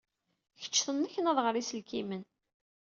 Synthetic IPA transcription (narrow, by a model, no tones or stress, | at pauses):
çə̥t͡ʃːθənːæçənæðʁəɾisəlkimən